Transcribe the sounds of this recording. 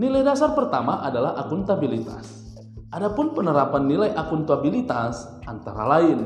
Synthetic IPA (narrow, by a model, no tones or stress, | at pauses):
nilajdasarpərt̪amaʔadalaɦʔakʊnt̪abilit̪a̰s | ʔadapʊnpənəɾapanːilajʔakʊnt̪uabilit̪as | ʔant̪aɾa̰laɪn